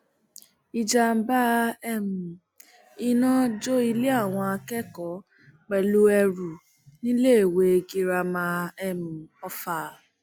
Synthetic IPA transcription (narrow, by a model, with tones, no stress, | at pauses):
i˧d͡ʒa˧m̩˦ba˦ɛ˧mũ˨ | i˧nã˦d͡ʒo˦i˧le˦a˦˨w̃ɔ̃˧a˧kɛ˦kɔ˨˦ | k͡pɛ˨lu˦ɛ˧ɾu˨ | nĩ˦le˦e˨we˧ɡi˧ɾa˧mã˧˦ɛ˧mũ˨ɔ˧fa˧